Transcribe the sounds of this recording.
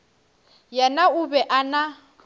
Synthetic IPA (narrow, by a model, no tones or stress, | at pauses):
janaʊbɛʔana